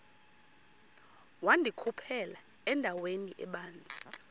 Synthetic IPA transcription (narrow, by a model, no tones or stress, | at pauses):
wandʱikʰupʰɛla | ɛndʱaweniʔɛ̰ɓaːnd͡zʱi̥